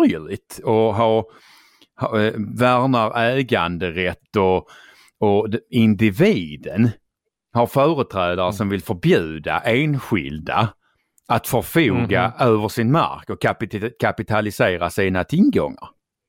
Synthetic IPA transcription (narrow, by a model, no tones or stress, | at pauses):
ɾjəɭɪt̪ɔɦɑɾ | hvæɾnaɾɛːɡand̪əɾɛt̪ːɔ | ɔɪnd̪ɪviːd̪ən | haɾfœːɾət̪ʰɾɛːd̪aɾəʂɔmvɪlfœɾbjʉ̟ːd̪a̰ʔeːnɧɪ̰ld̪a̰ | at̪fœɾfuːɡaøːvəʂɪnma̰ɾkɔkapkʰapɪt̪ʰalɪseːɾasiːnat̪ʰɪlɡɔ̰ŋːa̰ɾ